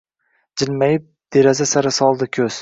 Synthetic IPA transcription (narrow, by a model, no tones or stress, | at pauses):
d͡ʒɪlmajɪp̚d̪̥eɾazasaɾasɒlˠd̪ɪkʲʰɵz̥